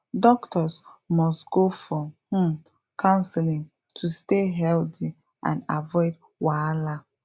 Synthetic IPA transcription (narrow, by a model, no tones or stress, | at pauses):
dɔktʰɔsmɔstɡ̥ofɔhũm | kʰãʊ̃nsɛlĩŋ | tʰusteɦɛlti | ã̰navɔɪd̚ | wala